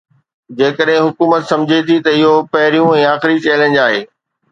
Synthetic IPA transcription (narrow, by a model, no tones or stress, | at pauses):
d͡ʑeːkəɗɦɪ̃ɦʊkuːmət̪sɐ̃md͡ʑʱet̪ʰit̪ɐɪɦopɐɦɪɾijũɛ̃ːaːxɪɾit͡ɕeːlə̃nd͡ʑaːɦeː